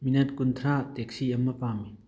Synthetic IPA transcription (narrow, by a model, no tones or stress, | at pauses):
minɐt̚kuntʰɾatek̚siɐmːɐpamin